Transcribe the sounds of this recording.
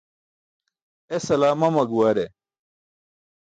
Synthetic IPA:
esɐlaːmɐmɐɡuwaːɾe

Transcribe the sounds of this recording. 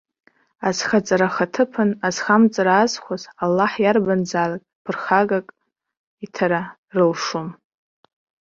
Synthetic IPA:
azχat͡sʼaɾaχatʰɨpʰɨnaz̥χamt͡sʼaɾaːzχʷazalːaħjarband͡zaːlakʼpʰɨrχaɡakʼ | itʰaɾa | rɨlʂun

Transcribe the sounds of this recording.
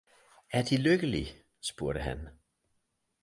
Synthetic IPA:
æɐd̥iløɡ̥əli | sb̥uɐɾəɦæn

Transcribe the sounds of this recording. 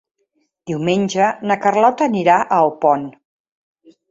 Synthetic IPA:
d̪̥iwmenʲʒənəkərlɔt̪əniɾaʔəlpɔn

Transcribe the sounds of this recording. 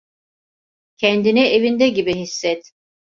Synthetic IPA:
cʰɛnd̪inie̞vind̪ɛɟibiɦisːɛt̪

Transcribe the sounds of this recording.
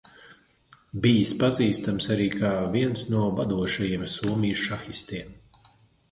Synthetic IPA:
bijispaziːst̪amsaɾiːkʰaːviɛnsnuɔvad̪uɔʃajiɛmsuɔmijʃʃaxist̪iɛm

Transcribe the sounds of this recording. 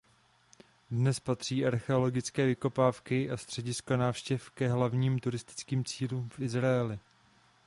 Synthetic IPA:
dnɛspat̪r̝̥iːʔaɾxɛo̞lo̞ɡɪt͡skɛːvɪko̞paːfkɪʔast̪r̝̥ɛɟɪskanaːfʃcɛfkɛɦlavɲiːmt̪uɾɪst̪ɪ̥t͡skiːmt͡siːluːmfʔɪzɾaɛlɪ

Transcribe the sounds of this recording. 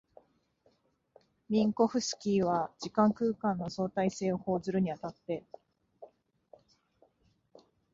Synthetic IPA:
mʲĩŋko̞ɸɯ̟sɨ̥kʲiːβad͡ʑikãŋkɯ̟ːkãnːo̞so̞ːt̪aise̞ːoho̞ːzɨɾɯ̟ɲ̟iat̪at̪ːe̞

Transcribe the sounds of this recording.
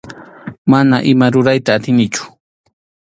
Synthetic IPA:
manaʔɪmaɾʊɾajt̪aːt̪ɪnɪt͡ʃʊ̥

